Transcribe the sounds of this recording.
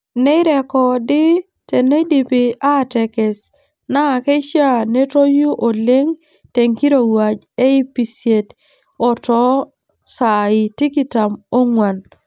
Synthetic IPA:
ne˦ɾɛ˨kɔ˨dɪ˦ | te˨ne˦di˨pi˨a˦˨tɛ˨kɪ˨s | na˦˨ke˦ʃja˦ne˦to˦ju˦ʔo˨le˦ŋ | te˨ŋki˦ɾo˨wa˨d͡ʒ | e˦i˦pi˨sje˨t | ɔ˨tɔ˦ | sa˨ɪ˨ti˦ki˦ta˨mo˦ŋwa˨n

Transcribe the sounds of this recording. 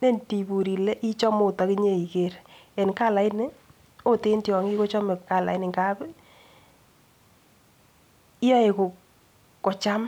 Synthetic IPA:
ne˦˨nti˨bu˨ɾi˨lɛ˦ʔi˦t͡ʃɔ˦mo˨tɔ˨ki˦ɲe˦˨i˨ke˨ɾɛ˨nka˦la˨i˦nɪ˦ | o˦te˦ntjɔ˨ŋi˦ko˦t͡ʃɔ˦me˨ka˦˨la̰˨i˦nɪ˨ŋɡa˦b | i˦jɔ˦e˨ko˨ | kɔ˨t͡ʃa˦m

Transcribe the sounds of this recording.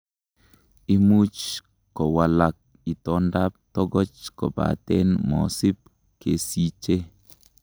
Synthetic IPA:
i˦mu˦t͡ʃ | kɔ˨wa˨la˨k̚ | i˨tɔ˦nda˦p̚tɔ˦ɡɔ˦t͡ʃkɔ̰˨ba̰˨t̪ɛ˦nmɔ̰˨si˦p̚ | ke˨si˦t͡ʃe˦

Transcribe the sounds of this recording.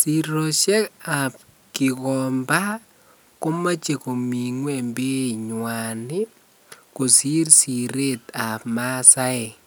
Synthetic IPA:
si˨ɾɔ˨ʃɛ˦ka˨p̚ | kɪ˨kɔ˨mba˦ | ko˦ma˦t͡ʃe˨ko˨mi˨ŋwe˦mbe˦ɲwa˨nɪ˦ | ko˨si˦rsi˨ɾe˦t̪a˨pma˦sa˦e˨

